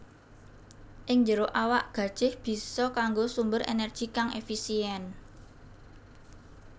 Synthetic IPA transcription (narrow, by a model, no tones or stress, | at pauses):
ʔɪŋɲd͡ʒəɾoʔawaʔɡ̥ä̤d̥ʒ̥ɪhb̥i̤sɔkaŋɡosumbəɾḛnɛr̥ʒ̥i̤kaŋʔḛfisiɛn